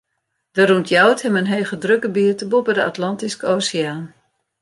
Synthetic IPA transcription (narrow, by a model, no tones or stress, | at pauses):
d̥əruntʰjawthɛmənɦejɣədrøkəbiətəbopədəa̰tlɑntiskəoːsiaːn